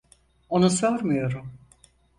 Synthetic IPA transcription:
o̞nusøɾmujo̞ɾum

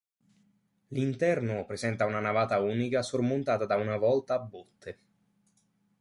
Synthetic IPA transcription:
lint̪ɛrnopɾezɛnt̪aunanavaːt̪auːnikasormont̪aːt̪ad̪aunavɔlt̪aːbːot̪ʰːe

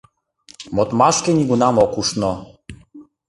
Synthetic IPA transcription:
mɔt̪maʃkɛniɡunamɔkuʂnɔ

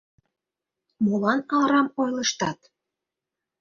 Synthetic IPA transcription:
molɑnɑlɾɑmojlɤʃt̪ɑt̪

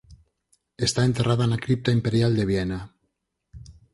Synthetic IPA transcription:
est̪ae̞nt̪erað̞anakɾip̚t̪aimpe̞ɾjald̪e̞βjena

